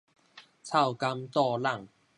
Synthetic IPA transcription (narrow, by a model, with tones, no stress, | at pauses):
t͡sʰa˥˧˩wka˧˥mt̪ɔ˥˧la˥˩ŋ